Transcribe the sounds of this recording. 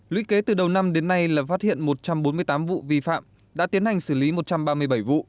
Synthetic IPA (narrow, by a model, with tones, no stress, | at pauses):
lwḭ˧˥ke˨˦t̪ɨ˨˩ɗə˨˩wna˧mɗe˨˦nːa˧jlaː˨˩faː˦˥t̚hḭ˧˨ənmo˨˩t̚t͡ɕa˧mɓo˨˦nmɨ˧əjt̪aː˨˦mvṵ˧˨vi˧fa̰ː˧˨m | ɗa̰ː˧˥t̪i˨˦ənha˨˩jŋ̟sɨ˧˩li˨˦mo˨˩t̚t͡ɕa˧mɓaː˧mɨ˧əjɓə˧˩jvṵ˧˨